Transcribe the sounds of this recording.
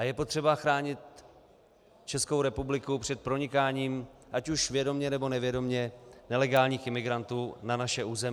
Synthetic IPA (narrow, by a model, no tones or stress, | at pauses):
ʔajɛpo̞t̪r̝̥ɛbaxɾaːɲɪt̪̚ | t͡ʃɛsko̞wɾɛpublɪkupr̥ɛt̪̚pɾo̞ɲɪkaːɲiːmʔacuʃvjɛdo̞mɲɛnɛbo̞nɛvjɛdo̞mɲɛnɛlɛɡaːlɲiːxʔɪmɪɡɾant̪uːnanaʃɛʔuːzɛmɪ